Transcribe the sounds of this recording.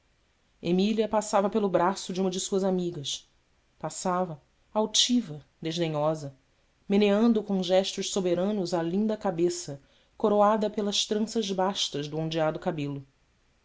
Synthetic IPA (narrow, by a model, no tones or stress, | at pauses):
emiliɐpasavɐpelʊbɾasʊd͡ʒɪũmɐd͡ʒɪsuɐzamiɡɐʃ | pasavɐ | awt͡ʃivɐd̪eʒd̪eɲɔzɐ | meneɐ̃nd̪ʊkõʒɛʃt̪ʊʃsobeɾɐ̃nʊzalĩnd̪ɐkabesɐ | koɾoad̪ɐpelɐʃt̪ɾɐ̃sɐʒbaʃt̪ɐʒd̪ʊõd͡ʒiad̪ʊkabelʊ